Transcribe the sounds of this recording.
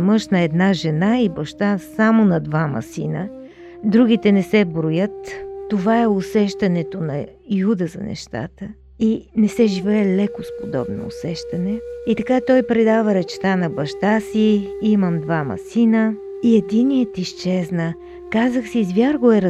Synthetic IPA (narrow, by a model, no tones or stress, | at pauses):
mɤʃnɐɛd̪naʒɛnaibɐʃt̪asamonɐd̪vamɐ̰sinə | d̪ɾuɡʲit̪ɛnɛsɛbɾojət̪ːovaɛosɛʃt̪ɐnɛt̪onɐjud̪əzɐ̰nɛ̰ʃt̪a̰t̪ə | inɛsɛʒivɛɛlɛkospod̪ɔ̰bno̰ːsɛʃt̪ɐnɛit̪ɐkat̪ɔjpɾɛd̪avəɾɛt͡ʃɛ̥t̪anɐbɐʃt̪asiiməmd̪vamɐ̰sinə | iɛd̪iniət̪iʃt͡ʃɛznə | kazəxsiːzvjaɾɡoɛɾ